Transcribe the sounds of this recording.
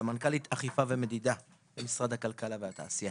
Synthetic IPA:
amankalit̪ʔaχifaveme̞d̪id̪a | bemisʁad̪hakalkalavehat̪a̰ːsija

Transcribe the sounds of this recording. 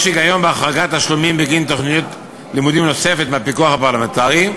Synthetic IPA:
ʃiɡajo̞mbeaχʁaɡat̪haʃlomimbeɡint̪o̞χnijot̪ | limud̪imno̞se̞fe̞tmeapikuaχapaʁlament̪aʁi

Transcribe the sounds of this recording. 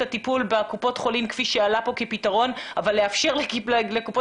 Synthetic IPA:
atipulbekupo̞tχo̞limkfiʃealapo̞ke̞pitaʁo̞navalːeafʃe̞ʁlekilekupo

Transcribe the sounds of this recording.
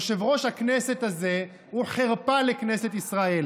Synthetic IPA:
ʃevʁo̞ʃhaknese̞t̪aze̞ | huχeʁpaleknese̞t̪isʁae̞l

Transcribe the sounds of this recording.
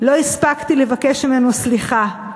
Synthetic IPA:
lo̞ispakt̪ile̞vake̞ʃmime̞nusliχa

